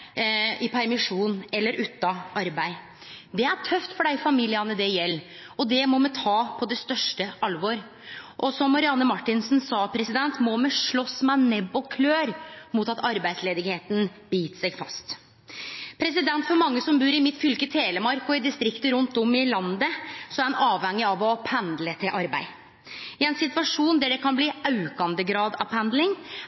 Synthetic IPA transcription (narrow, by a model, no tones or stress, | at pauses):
ɪpʰæɾmɪʂuːnɛlːəɾʉːt̪ːɑʔɑɾbæɪ | d̪ɛæʈʰœft̪fɔɖæɪfɑmiːlɪɑnəd̪ɛjɛlː | ɔd̪ɛmɔmɛt̪ʰɑːpʰɔd̪ɛst̪œʂʈəɑlʋoɾ | ʔɔsɔmːɑɾɪɑnːəmɑʈːɪnsnsɑːpʰɾɛsɪd̪ɛnt̪mɔmɛʂɭɔsmæɪnɛbɔkʰløːɾmʊt̪ɑt̪ɑɾbæɪsleːd̪ɪɡheːt̪n̩biːt̪sɛɡfɑ̰st̪ | pʰɾɛs̬ɪd̪ɛnt̪fɔɾmɑŋːəsɔmbʉːɾɪmɪt̪fʏlkət̪ʰeːləmɑɾkʊɪd̪ɪst̪ɾɪkt̪əɾʉnt̪ɔmɪlɑnd̪əsɔɛnɑːʋhɛŋːɪɑʋɔpʰænd̪lət̪ʰɪlʔɑɾbæ̰ɪ | ɪɛnsɪt̪ʋɑʂuːnd̪æɖɛkʰɑnbliːɑʉkɑnd̪əɡɾɑːd̪ɑ̰pʰænd̪lɪŋ